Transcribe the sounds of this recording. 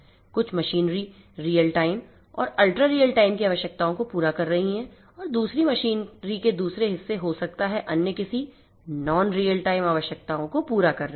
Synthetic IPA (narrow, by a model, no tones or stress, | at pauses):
kʊt͡ʃʰmɐʃiːnɾi | ɾiːjəlʈaːɪm | ɔ̰ːɾɐlʈɾaɾiːəlʈaːɪmkiaːʋəʃjək̚t̪aːõkopuːɾakɐɾːɐɦiɦɛ̃ | ɔːɾd̪uːsɾimɐʃiːnɾiked̪uːsɾeɦɪsːeɦosɐk̚t̪aɦɛʔɐnjəkɪsi | nɔːnɾiːəlʈaːɪmaːʋəʃjək̚t̪aːõkopuːɾakɐɾːɐ